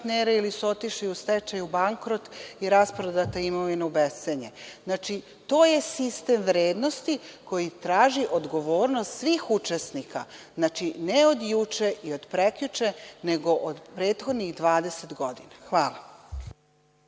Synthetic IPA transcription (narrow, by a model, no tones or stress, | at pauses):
t̪neːɾeilisuot̪iʃejust̪et͡ʃajubaŋkɾo̞t̪iɾaspɾod̪at̪eimoʋineubeseɲeznaːt͡ʃi | t̪o̞ːje̞sist̪e̞mʋɾeːd̪no̞st̪iko̞jit̪ɾaːʒiʔod̪ɡo̞ʋo̞ːɾnost̪sʋiːxut͡ʃesnika̰znat͡ʃineo̞d̪jut͡ʃeio̞d̪pɾe̞kʎut͡ʃe̞ne̞ɡo̞ʔod̪pɾeːt̪xo̞d̪niɣd̪ʋaːd̪e̞set̪ɡo̞d̪inaxʋaːla